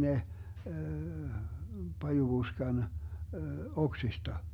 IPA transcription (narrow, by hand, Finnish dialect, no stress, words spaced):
ne pɑjub̥uskɑn oksistɑ